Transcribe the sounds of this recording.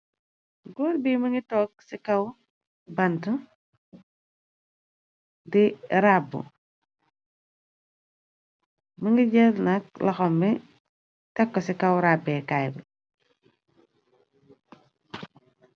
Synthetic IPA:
ɡɔːɾbiːmɐŋɡitɔːk̚sikɐw | bɐntɐ | diɾabːṵ | mɐŋɡiɟɛlnɐk̚lɐxɔmbɛ | tɛkːɔsikɐwɾabɛːkajbɐ

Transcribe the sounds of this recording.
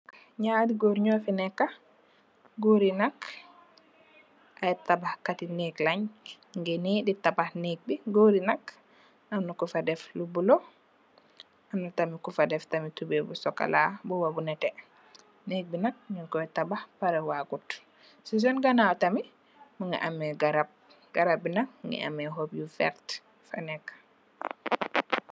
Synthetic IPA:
ɲadiɡoɾɲɔfinɛkːa | ɡoɾinak | ʔaɛtabahkatineklaɲ | ŋɡɛniditabahnek̚biɡoɾinak | amnakufadɛflubulɔ | ʔamnatamikufadɛftamitubɛbusɔkːa̰labuwabunɛtɛ | nek̚binak̚ɲinkɔtabahpaɾɛwaɡut | sis̬ɔnɡanatami | maŋɡa̰ʔamɛɡaɾab̚ | ɡ̥aɾab̚inak̚ŋɡɛ̰ʔa̰mɛɦobjufɛ̰ɾt | fanɛkː

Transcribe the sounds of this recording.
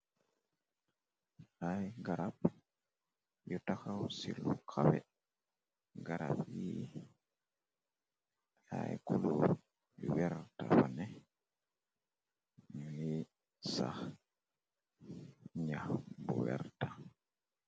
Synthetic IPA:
ajɡaɾap | jɔtakawsilukʰawɛ | ɡaɾabji | ajkulu | wɛɾtafanɛ | mi | sah | ɲabuwɛɾta

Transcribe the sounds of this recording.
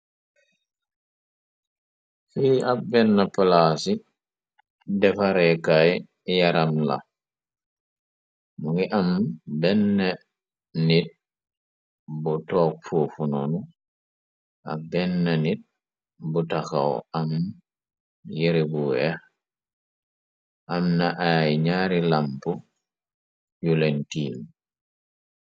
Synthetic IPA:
fiabɛnːapalasi | dɛfaɾɛkaj | jaɾamla̰ | muŋɡiʔambɛnːe | nit̚ | butɔːk̚fufunɔnu | ʔa̰k̚bɛnːanit̚ | butaxa̰w̰am | jeɾibuwɛx | ʔamnaʔajɲaɾilampu | julentiːl

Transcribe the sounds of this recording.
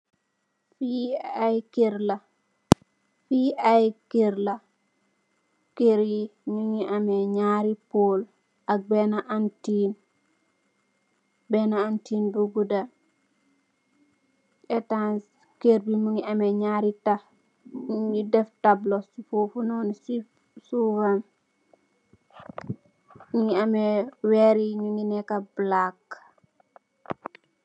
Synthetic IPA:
fiajkeɾla | fiajkeɾla | keɾjimuŋiʔamɛɲaɾipol | ʔak̚bɛnaʔantin | bɛnaːntinbuɡuda | ɛtas | keɾbimuŋiamɛɲaɾita | idɛftablosufofunɔnsi | suwan | ɲiamɛwɛɾiɲuŋinɛkablak

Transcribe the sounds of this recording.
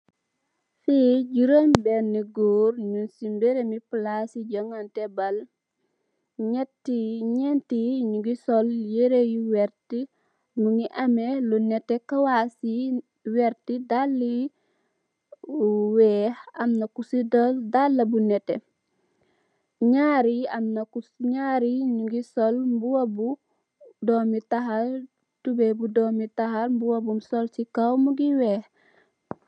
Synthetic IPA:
fiɟuɾəmbɛniɡoːɾɲunsimbɛɾemiplasiɟɐŋantɛbɐl | ɲɛtːiɲɛntiɲuɡisɔljeɾejiwɛɾti | nuŋiʔɐmɛlunɛtːɛkawasi | wɛɾtidalːi | wɛːhɐmnɐkusidɔldalːɐbunɛtɛ̰ | ɲaɾiɐmnɐkuɲaːɾiɲuɡisɔlmbuwɐbu | dɔmitaɦal | tubɛbudɔːmitahalmbuwɐbumsɔlsikawmuɡiwɛːh

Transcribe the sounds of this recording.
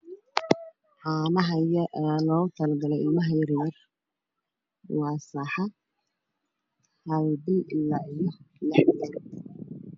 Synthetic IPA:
ʕɑːmɐɦɐjɐɛːlɔːt̪ʰɐlɡɐlɛjɪlmɐɦɐjɐrmɐr | wɑːsɑħɑ | hɐlbɪlɪlːaːijɔlɑħd̪ɐ

